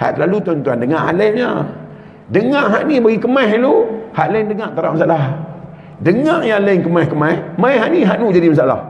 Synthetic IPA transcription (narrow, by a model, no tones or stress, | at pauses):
ha̰ʔ̪lalut̪uant̪uandəŋaʔha̰lənɲa | dəŋãʔɦaʔnibaɡikəmaɦluhaʔləndəŋaʔt̪aɾaʔ̚masaʔlah | dəŋaʔjaləŋkəmahkəmahmajɦaʔniɦaʔnud͡ʒadimasaʔla̰h